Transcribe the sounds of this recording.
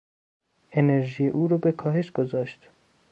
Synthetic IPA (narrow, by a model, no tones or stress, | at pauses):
eneɾʒijeʔuːɾɔbekʰɒːɦe̞ʃɡ̥ozɒːʃt̪